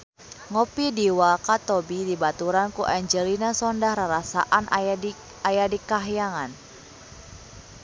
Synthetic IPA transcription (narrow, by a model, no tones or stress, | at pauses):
ŋɔpidiwakat̪ɔbidibat̪uɾankuʔaɲd͡ʒəlinasɔndahɾaɾasa̰ʔan | ajadikaɦjaŋan